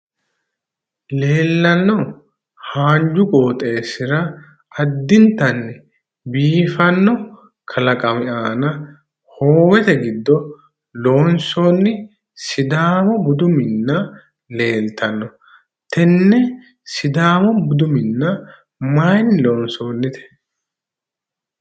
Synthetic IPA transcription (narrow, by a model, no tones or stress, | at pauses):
le̞ːlːɐnːɔ | haːnd͡ʒʊkʼoːt̪ʼe̞ːsɪɾɐ | ɐd̪ːɪnt̪ɐnːɪ | biːfɐnːɔ | kʰɐlɐkʼɐmɪʔaːnɐ | hoːwɛt̪ɛɡɪd̪ːɔ | lo̞ːnso̞ːnːɪ | sɪd̪aːmɔbʊd̪ʊmɪnːɐ | le̞ːlt̪ɐnːɔ | t̪ɛnːɛ | sɪd̪aːmɔbʊd̪ʊmɪnːɐ | maːjnːɪlo̞ːnsoːnːɪt̪ʰɛ̥